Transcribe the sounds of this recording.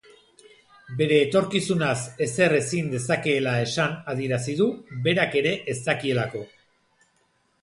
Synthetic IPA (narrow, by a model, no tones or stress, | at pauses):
be̞ɾe̞ːt̪o̞ɾkisunase̞se̞re̞sind̪e̞sake̞ːlae̞sanað̞ie̞ɾasiðuβe̞ɾake̞ɾe̞ʔesakie̞lako̞